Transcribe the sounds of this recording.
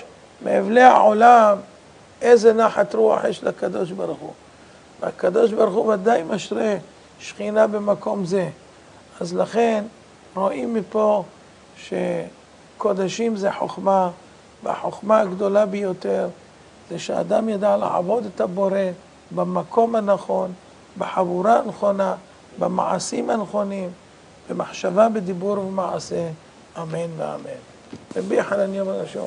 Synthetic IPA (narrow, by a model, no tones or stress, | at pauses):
mḛːvlea̰ʕo̞lam | ʔejzenaħat̪ɾua̰ħjeʃlakad̪o̞ʃbaɾχu | veakad̪o̞ʃ̬baɾχuvad̪ajmaʃɾe | ʃχinabemako̞mze̞ | azlaχe̞n | ɾo̞ʔimːipo̞ | ʃe | ko̞d̪aʃimzeħo̰χma | vea̰ħoχmaːɡd̪o̞labejo̞t̪e̞ʁ | zeʃea̰d̪amjad̪alḛʕa̰vo̞d̪et̪habo̞ɾe̞ | bamako̞manaχo̞n | beħavuɾanχo̞na | bama̰ʕa̰simhanχo̞nim | bemaħʃavabed̪ibuɾvemaʕase̞ | ʔamenvea̰men | ebiħalanjomanaʃo̰